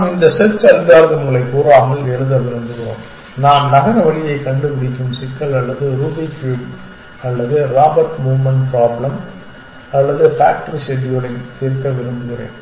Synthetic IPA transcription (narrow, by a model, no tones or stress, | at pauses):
mɪnd̪ɐsɛt͡ʃːɐld̪aːɾɐðɯʊŋɡɐɭɐɪkːuːɾaːmɐɭɛɻɯðɐʋɪɾɯnd̪ɯɣɪɾo̰ːm | naːmnɐɣɐnɐʋɐɭɪjɐɪkːɐɳɖɯpɪɽɪk̬ʲːɯmsɪkːɐɭɐlːɐðɯɾuːbɪkuːʈ | ɐlːɐðɯɾaːbɐɾʈmuːʋmɐnpɾaːblɐm | ɐlːɐðɯfa̰ːk̚ʈɐɾiʂɛɖɪjɔɽɐɪt̪ɪɾk̪ːɐʋɪɾɯmd̪ɯɣɪɾḛːn